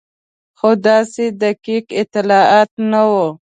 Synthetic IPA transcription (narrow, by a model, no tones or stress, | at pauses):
xod̪ɑsed̪akikɪt̪ɪlɑɑt̪̚nawo